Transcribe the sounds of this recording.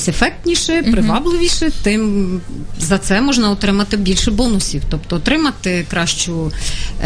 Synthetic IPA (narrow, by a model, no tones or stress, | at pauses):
sʲefɛk̚t̪ʲnʲiʃɛpɾɪʋɑblˠɪʋʲiʃɛt̪ɪm | zɐt̪sɛmɔʒnɐɔt̪ɾɪmɐt̪ɪbʲilʲʃɛbɔnʊsʲiwt̪ɔp̚t̪ɔɔt̪ɾɪmɐt̪ɪkɾɑʃt͡ʃʊ